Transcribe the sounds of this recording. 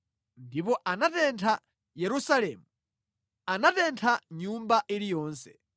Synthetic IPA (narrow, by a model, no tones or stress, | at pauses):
ndipɔʔanatɛntʰa | jɛɾusalɛːmu | anatɛntʰaɲumbaʔilijɔːnsɛ̥